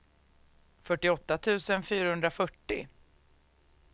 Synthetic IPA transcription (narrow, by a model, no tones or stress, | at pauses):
fœʈːɪɔt̪ːat̪ʰʉ̟ːsənfyːɾahɵnd̪ɾafœʈːɪ̰